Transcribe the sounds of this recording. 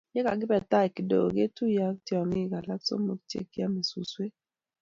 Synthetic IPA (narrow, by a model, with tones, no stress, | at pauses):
jɛ˦ka̰˨ɡɪ˦bɛ˨ta˦ɛ˨ki˨do̰˨o̰˨ɡe˦tu˦ja˦ktjɔ˨ŋi˦˨ɡa˨la˦kso̰˦mo˦k̚tjḛ˦ki˦a˦me˨su˨swe˦